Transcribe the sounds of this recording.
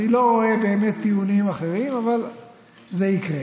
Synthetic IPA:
nilo̞ʁoebe̞ːme̞t̪ːiunimaχe̞ʁimaval | zeikʁe

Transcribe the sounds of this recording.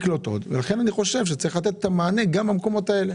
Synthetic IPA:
klot̪o̞̰d̪velaχe̞naniχo̞ʃe̞vʃet͡saʁiχlat̪et̪et̪amaːne̞ɡambamko̞mo̞t̪ae̞le

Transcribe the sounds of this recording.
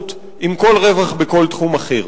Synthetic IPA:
t̪ | imko̞lʁe̞vaχbeko̞lt̪χumaχiʁ

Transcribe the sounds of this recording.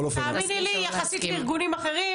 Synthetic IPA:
lofaminilijaχasit̪liʁɡunimaχeʁi

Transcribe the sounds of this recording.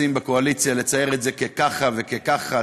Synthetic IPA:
imbekoalit͡sjale̞t͡saje̞ʁetze̞kekaχavekekaχa

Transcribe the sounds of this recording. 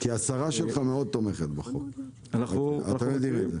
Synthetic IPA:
kiasaʁaʃelχameo̞d̪̚t̪omeχet̪baχo̰k | aat̪amed̪ineze

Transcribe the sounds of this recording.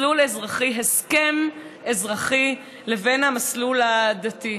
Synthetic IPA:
lulezʁaχiɦeskem | ezʁaχi | levenhamaslulad̪at̪i

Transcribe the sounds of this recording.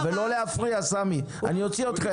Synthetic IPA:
velo̞leafʁiasami | a̰nio̞t͡siot̪χa

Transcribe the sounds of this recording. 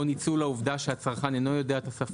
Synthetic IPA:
onit͡sulauvd̪aʃeat͡saʁχaneno̞jo̞de̞aet̪asaf

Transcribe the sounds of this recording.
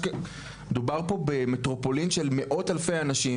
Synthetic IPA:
med̪ubaʁpo̞bemetʁopolinʃelme̞ʔo̞thalfejanaʃi

